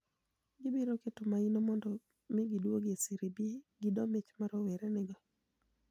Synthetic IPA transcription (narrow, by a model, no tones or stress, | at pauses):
ɡɪbiɾoketʊmainɔmɔndɔ | mɪɡɪdwoɡesiɾibieɡɪdɔmet͡ʃmaɾɔwɛɾɛnɪɡɔ